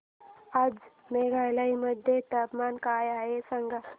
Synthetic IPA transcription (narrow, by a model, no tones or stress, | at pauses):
ad͡z | meɡʱajlaɦiməd̪ʱjet̪əpmankajaesəŋɡa